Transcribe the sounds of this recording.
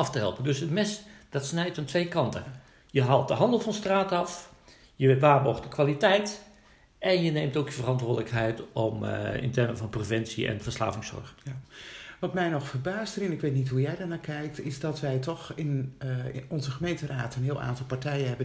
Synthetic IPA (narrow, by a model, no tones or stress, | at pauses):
ɑftəɦɛ̰lˠpəndøsətmɪsd̥ɑtsnɛjtəntʋeːjkɑntə | jəɦaːlˠt̚dəɦɑndəlˠfɑnstraːtɑf | jəʋʋaːrboɣtəkʰʋalitɛjt | ʔɛnjəneːmtoːkjəvərɑntʋʊːdələkɦɛjtɔmɪ̰ntɛrməvɑnprovɛnsiɛ̰nfərsla̰ːvɪŋsɔ̰rx | ʋɔtmɛjnɔxfərbaːstərɪnɪkʋetnitɦujɛjdaɹnaːkʰɛjk̚tɪzdɔtʋɛjtɔxɪn | ɔnzəxəmejntəraːtənɦɪəlˠʔa̰ːntɔlˠpaɹtɛjənɦɛbə